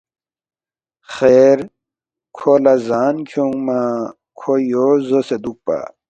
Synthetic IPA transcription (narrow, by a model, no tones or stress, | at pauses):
xeːɾ | kʰolazaːnkʰjoŋɡmã | kʰojozosed̪uk̚pa̰